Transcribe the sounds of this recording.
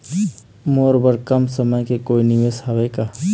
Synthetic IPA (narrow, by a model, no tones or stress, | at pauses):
moːɾbəɾkəmsəməjkekoːiniʋeshaʋeka